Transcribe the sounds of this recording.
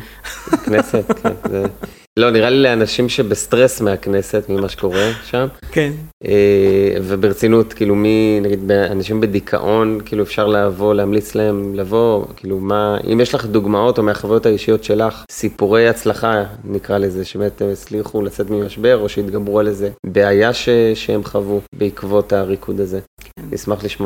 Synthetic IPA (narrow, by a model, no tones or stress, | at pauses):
knese̞t̪kʰenze | lo̞niʁalileanaʃimʃe̞best̪ʁe̞smeakne̞se̞t̪mimaʃe̥ko̞ʁe̞ʃamkevebeʁet͡sinutkiːluminaɡid̪beanaʃimbe̞d̪ikʰa̰ʔo̞nkiːluefʃaʁlaːvo̞lehamlit͡slee̞mlavo̞kʰiːlumaḭmjeʃlaχd̪uɡmao̞to̞meaχavajot̪aiʃijo̞tʃe̞laχsipuʁe̞jat͡slaχanikʁaleze̞ʃebemet̪emet͡sliχulat͡se̞t̪mimaʃbe̞ʁo̞ʃeit̪ɡabʁualeze̞beajaʃeʃehemχavubeikvo̞taʁikʰud̪aze̞nismaχliʃmo